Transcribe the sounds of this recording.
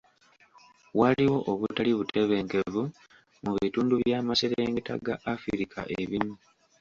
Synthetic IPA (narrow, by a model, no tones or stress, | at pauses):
waliwo̞ʔoβutaliβutʰe̞βe̞ːŋke̞vu | muβituːnduβjaːmaseɾeːŋɡeta̰ɡaʔːfiɾikʰa̰ʔe̞̰βimu